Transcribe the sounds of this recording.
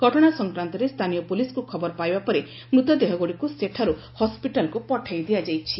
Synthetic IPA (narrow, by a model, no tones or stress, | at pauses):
ɡ̥ʱɔʈɔɽ̃asɔŋkɾant̪ɔɾest̪ʰanijɔpuliskukʰɔbɔɾɔpajbapɔɾe | bɾut̪ɔd̪eɦɔɡoɽikuseʈʰaɾu | hɔspiʈalkupɔʈʰajd̪iad͡ʒajt͡ʃʰi